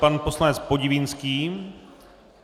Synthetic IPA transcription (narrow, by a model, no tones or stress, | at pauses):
panposlanɛt͡spo̞ɟɪvɪnskiː